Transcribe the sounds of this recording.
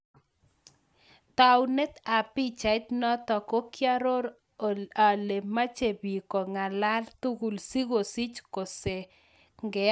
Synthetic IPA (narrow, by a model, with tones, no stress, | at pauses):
t̪a˨wne˦t̪a˨pi˦t͡ʃa˨˦t̪nɔ˦t̪ɔ˨ko˦kja˦ɾo˦ɾ | a˨le˨ma˦t͡ʃe˨bi˨ko˨ŋa˨la˦lt̪u˦ɡu˨lsi˦ɡo˨si˦t͡ʃko˨se˨ | ŋɡɛ˨